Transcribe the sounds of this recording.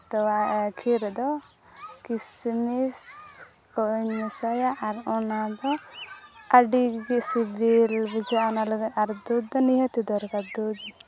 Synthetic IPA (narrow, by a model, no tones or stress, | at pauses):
t̪ɔwakʰiɾd̪ɔ | kismis | kɔɲəsajaʔːɾɔnad̪ɔ | aɖiɡisibilbid͡ʒaɔnaləɡəaɾd̪ud̪̚d̪ɔniɦət̪id̪ɔɾkad̪ud̪